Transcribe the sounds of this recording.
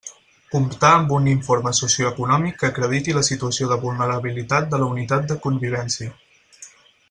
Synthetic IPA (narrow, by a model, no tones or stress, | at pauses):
kumpt̪aəmbuniɱfoɾməsusiuəkunɔmikːəkɾəð̞it̪iləsit̪uəsioðəβulˠnəɾəβilit̪at̪̚d̪ələunit̪at̪̚d̪əkumbiβ̞ɛnsiə